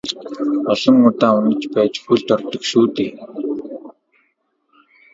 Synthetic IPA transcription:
ɔɮ̥ɞ̆ŋːʊt̪aːʊnə̆t͡ɕpæːt͡ɕxuɮt̪ɔrt̪ɞ̆kʃuːt̪eː

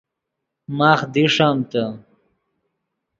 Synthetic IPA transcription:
maːχd̪iʂamt̪ɐ

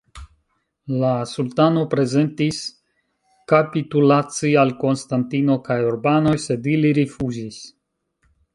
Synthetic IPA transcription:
lasultano̞pɾe̞ze̞ntis | kapitulat͡sialko̞nstantino̞kajuɾbano̞jse̞diliɾifuzis

